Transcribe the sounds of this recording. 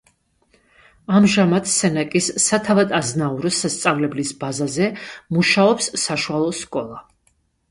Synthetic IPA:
amʒamat̪ʰsɛnakʼisːat̪ʰavad̪aznauɾɔsast̪sʼavlɛblisbazazɛmuʃaɔpsːaʃualˠɔskʼɔlˠa

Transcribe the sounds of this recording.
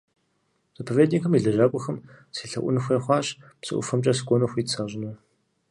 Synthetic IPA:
z̥ɨpʰɐveːdnɪkʰɐmiɮɐʒaːkʷʼɔxɐmsiːɬɐ̰ʔʷʊ̰nɨxʷeːχʷɑːɕpsɨ̰ʔʷʊ̰fɐmt͡ʃʼɐs̬ɨkʷʼɔnɐxʷiːtt͡sʰaːʑʼɪnɐ

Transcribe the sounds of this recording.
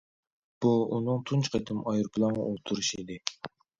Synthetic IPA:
b̥uunɨŋt̪ʰunt͡ʃʰqʰet̪ʰɪmɑjɨɾpʰlˠɑŋ̰ʔolˠt̪ʰuɾuʃid̪ɪ

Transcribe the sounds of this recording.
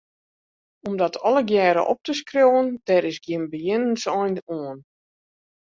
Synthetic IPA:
ɔmdɔtʰɔlˠəɡjɛːɾə̰ʔɔ̰p̚təskrjowəndɛɾɪsɡjɪnbəjɪnənsɔjnuən

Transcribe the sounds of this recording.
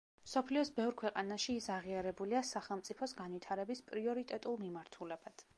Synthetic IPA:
msɔpʰliɔsbɛvɾkʰwɛqʼanaʃiːsaʁiaɾɛbuliasaχɛlˠmt̪sʼipʰɔsɡanvit̪ʰaɾɛbispʼɾiɔɾit̪ʼɛt̪ʼulˠmimaɾt̪ʰulɛb̥ad̪̥

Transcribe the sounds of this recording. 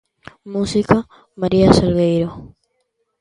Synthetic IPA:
musika | maɾiaselɣejɾo

